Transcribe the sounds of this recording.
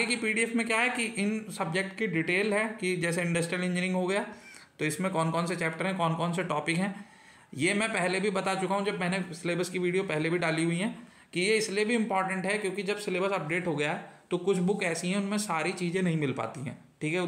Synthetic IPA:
ɡekipiːɖiɛfmẽkjaɦɛkiʔɪnsɐbd͡ʒek̚ʈkiɖiʈeːlɦɛːkid͡ʒɛːseɪ̃ɳɖɐsʈɾijəlẽɲd͡ʒɪnɪ̃ŋɡɦoɡɐjaːt̪oɪsmẽkɔːnkɔːnset͡ʃɛːp̚ʈəɾɦɛ̃kɔːnkɔːnseʈɔːpɪkɦɛ̃ː | jeːmɛ̃pɛɦlebʱibɐt̪at͡ʃʊkaɦũd͡ʒɐbmɛːnẽsɪleːbəɾskiʋiːɖijopɛɦlebʱiɖaːliɦuiɦɛ̃ː | kijeɪsliebʱiɪ̃mpɔːɾʈə̃ɳʈɦɛkjõːkid͡ʒɐbsɪleːbəɾsɐp̚ɖeːʈɦoɡɐjaɦɛt̪okʊt͡ʃʰbʊkɛːsiɦɛ̃ʊnmẽsaːɾit͡ʃiːzẽnɐɦĩmɪlpa̰ːt̪iɦɛ̰̃ː | ʈʰiːkɦɛʊ

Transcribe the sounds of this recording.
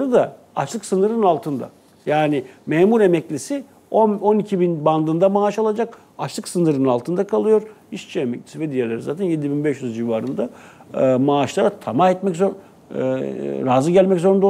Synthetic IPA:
ɯd̪a | aʃlˠɯksɯnɯɾɯnalˠt̪ʰɯnd̪a̰ | jaːnɪmɛːmuɾemɛclʲisi | oo̞nicʰibinband̪ɯnd̪amaːʃalˠad͡ʒak | aʃlˠɯksɯnɯɾɯnalˠt̪ʰɯnd̪akʰalˠɯjo̞ɾ | iʃt͡ʃʰiemɛclʲisivɛd̪ijɛlʲeɾizaːt̪ʰænje̞d̪ibinbɛʃjyzd͡ʒivaːɾɯnd̪a | maːʃlˠaɾat̪ʰamaɛt̪mɛczo̰ | ɾaːzɯɟælʲmɛczo̞ɾund̪o

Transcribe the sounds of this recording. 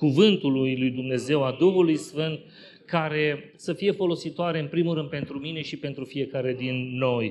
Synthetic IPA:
kuvɨnt̪ulujlujd̪umne̞ze̞wad̪uɦulujsfɨnt̪̚ | kaɾe̞ | səfije̞fo̞lo̞sit̪oaɾe̞ɨnpɾimuɾɨnd̪̚pe̞nt̪ɾumine̞ʃipe̞nt̪ɾufije̞kaɾe̞d̪inːo̞j

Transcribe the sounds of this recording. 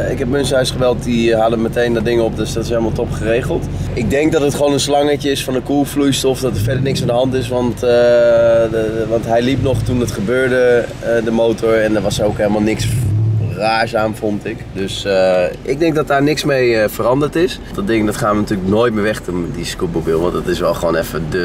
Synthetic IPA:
ɪkɦɛpmənsɦœɥsχəʋɛlˠt̚diɦaːdəmətejndɔdɪŋənɔp̚døsdɑtɪsɦejlˠəmalˠtɔpχərejχəlˠt | ɪɡ̚dɛŋk̚dɑtətχəʋonənslɑŋəcəɪsfɑndəkulˠflujstɔfdɑtəɹfɛɹdəɹnɪksandəɦɑntɪsʋɑnt | ʋɑntɦɛjlipnɔχtundɑtχəbøːɹdə | dəmowtɔɹɛndəɹʋɑsowkɦeləmalˠnɪks | raːɹzaːmfɔntɪkdøsʔɪɡ̚dɛŋk̚dɔt̚daːɹnɪksmejfərɑndəɹtɪs | dɔdɪŋədɔtχaːnʋənatyːləknoːjt̚mɪːɹʋɛχtəmdiskubobɪlˠʋɑntdɑtɪsʋɛlˠχəʋoːnɛfədə

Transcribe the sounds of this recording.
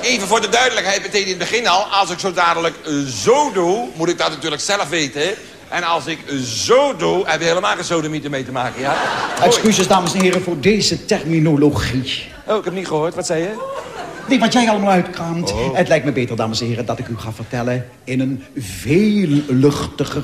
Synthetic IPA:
ejvəvʊːɹdədœɥdələkɦɛjt̚bətenɪntbəχɪnɑlˠɑlˠsɪksowdaːdələkzowdumutɪɡ̚dɑtnatyːɹləksɛləfʋejtə | ʔɛnɑlˠsɪkzowduɦɛpɪkɦeləmaːlˠχəzowdəmitəmejtəmaːkəjaɛkskysɪzdaːməsɛnɦɪːrəvʊːɹdejzətɛrminoloχi | owɪkɛp̚niχəɦoːɹtʋɑtsɛjə | nejʋɑtjɛjɑlˠəmaːlˠœɥtkraːmtətlɛjktməbejtəɹdaːməsɛnɦɪːrədɑtɪkyχaːvərtɛlə | ɪnənvejllɵχtəχə

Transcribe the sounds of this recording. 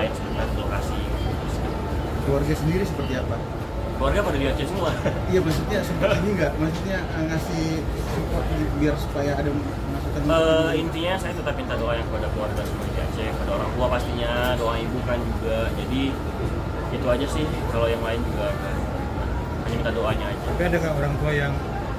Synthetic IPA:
ɪt̪səint̪adit̪lokasiit̪usi | kluarɡasəndiɾisəpərt̪iapa | kluarɡapadubiat͡ʃɛsəmua | ijamas̬ut̪̚ɲasəpəiɲiŋɡaʔmasuut̪̚ɲaʔəŋasɪh | supɔt̪biarsu̥pajaːda | masut̪anəint̪iɲasajat̪ət̪ap̚mint̪adoajaŋkuadakluwarɡasəmanabia̰t͡ʃɛpadaoɾaŋt̪uapast̪iɲadoaŋibukand͡ʒuɡad͡ʒadi | it̪uad͡ʒasɪh | kalojaŋlaɪnd͡ʒuɡaə | a̰ | kaɲamint̪adoaɲaːd͡ʒaapaadakaoɾaŋt̪uajaŋ

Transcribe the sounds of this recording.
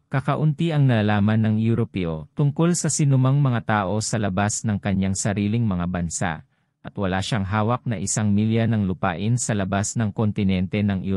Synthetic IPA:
kɐkɐʔʊnt̪iʔɐŋnɐalaːmɐnːɐŋjuɾopɛʔot̪ʊŋko̞lsɐsɪnʊmaŋmɐŋat̪aːʔo̞sɐlɐbasnɐŋkɐɲːaŋsɐɾiːlɪŋmɐŋabɐnsa̰ʔ | ʔɐt̪wɐlaːʃaŋɦaːwɐk̚nɐʔɪsaŋmiljɐnɐŋlʊpa̰ːʔɪnsɐlɐbasnɐŋkont̪ɪnɛnt̪ɛnɐŋʔu

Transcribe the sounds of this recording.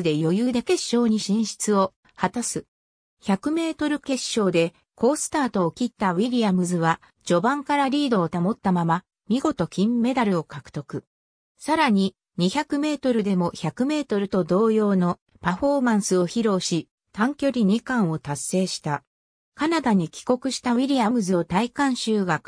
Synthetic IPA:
ɨd̪e̞jo̞jɯːd̪ake̞ɕːo̞ːɲ̟iɕĩɰ̃ɕi̥t͡sɨo̞ | hat̪asɨ | çakɯ̟me̞ːt̪o̞ɾɯ̟ke̞ɕːo̞ːd̪e̞ | kʰo̞ːsɨ̥t̪aːt̪o̞ːkʲit̪ːaβiɾʲiamɯ̟zɨβa | d͡ʑo̞bãŋkaɾaɾʲiːd̪o̞ːt̪amo̞t̪ːamama | mʲiɡo̞t̪o̞kʲĩmːe̞d̪aɾɯ̟o̞kakɯ̟̥t̪o̞kɯ̟ | saɾaɲ̟i | ɲ̟içakɯ̟me̞ːt̪o̞ɾɯ̟d̪e̞mo̞çakɯ̟me̞ːt̪o̞ɾɯ̟t̪o̞d̪o̞ːjo̞ːno̞ | paɸo̞ːmãɰ̃sɨo̞çiɾo̞ːɕi | t̪ãŋkʲo̞ɾʲiɲ̟ikãɰ̃o̞t̪asːe̞ːɕi̥t̪a | kanad̪aɲ̟ikʲi̥ko̞kɯ̟ɕi̥t̪aβiɾʲijamɯ̟zɨo̞t̪aikãɰ̃ɕɨːɡa

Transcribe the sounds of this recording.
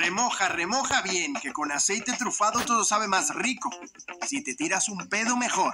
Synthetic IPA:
remo̞xaremo̞xaβje̞ŋke̞ko̞nase̞jt̪e̞t̪ɾufaðot̪o̞ðo̞saβe̞masriko̞sit̪e̞t̪iɾasumpe̞ð̞ome̞xo̞ɾ

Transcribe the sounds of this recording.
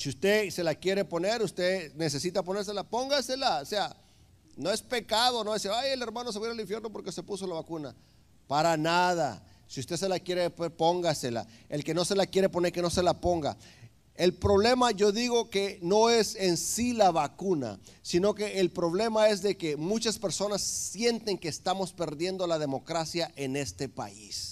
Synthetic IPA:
siust̪ese̞lakje̞ɾe̞po̞ne̞ɾust̪ene̞s̬esit̪ap̬o̞neɾs̬e̞lapo̞ŋɡase̞laosea | no̞e̞spe̞kað̞o̞noesiajele̞ɾmãnos̬aβiɾaliɱfjeɾno̞po̞ɾke̞se̞puso̞laβakuna | paɾanað̞a̰ | siust̪e̞s̬e̞lakje̞ɾepo̞ŋɡase̞la̰elke̞no̞se̞lakje̞ɾe̞po̞neɾke̞no̞se̞lapo̞ŋɡa̰ | e̞lpɾo̞β̞le̞maʝo̞ðiɣo̞ke̞no̞e̞se̞nsilaβakuna̰ | sino̞ke̞ʔːlpɾo̞β̞le̞mae̞zðe̞ke̞mut͡ʃaspe̞ɾso̞nasːje̞nt̪e̞ŋkeːst̪amo̞spe̞ɾðje̞nd̪o̞lað̞e̞mo̞kɾasjaʔe̞ne̞st̪e̞pa̰ḭs

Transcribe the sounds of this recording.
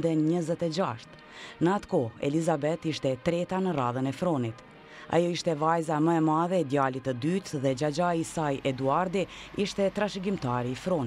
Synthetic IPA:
d̪ɛɲəzɛt̪ɛd͡ʒaʃt̪ | nəat̪kɔɛ̰lizabɛt̪iʃt̪ɛt̪ɾɛt̪anəraðənɛfɾɔnit̪ | a̰jɔiʃt̪ɛvajzaməɛmaðɛːd̪jalit̪əd̪yt̪ðɛd͡ʒad͡ʒajisajɛd̪uaɾd̪iiʃt̪ɛt̪ɾaʃiɡimt̪aɾiːfɾɔn

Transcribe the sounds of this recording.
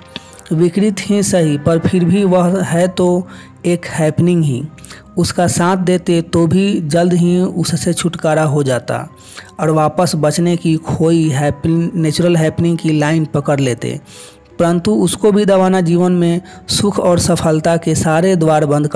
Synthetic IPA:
ʋɪkɾɪt̪ɦĩsəɦipəɾpʰɪɾbʱiʋəɦɦɛt̪o | eːkhɛːpnɪ̃ŋɡɦḭ̃ | ʊskasãːt̪ʰd̪eːt̪et̪obʱid͡ʒəld̪ɦiʊsːet͡ʃʰʊʈkaːɾaɦod͡ʒaːt̪a̰ | ɔːɾʋaːpəsbət͡ʃnekikʰoːiɦɛːpneːt͡ʃʊɾəlɦɛːpnɪ̃ŋɡkilaːɪnpəkəɾleːt̪ḛ | pəɾə̃nt̪uʊskobʱid̪ɐʋaːnad͡ʒiːʋənmẽsʊkʰɔːɾsəpʰəlt̪akesaːɾed̪ʋaːɾbə̃nd̪k

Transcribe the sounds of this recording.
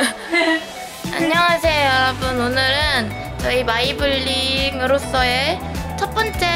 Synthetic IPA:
a̰ɲːʌŋas̬ʰe̞jobononɯɾɯn | t͡ɕʌimaibɯʎːiŋɯɾos͈ʌet͡ɕʰʌt̚p͈ʌnt͡ɕ͈e

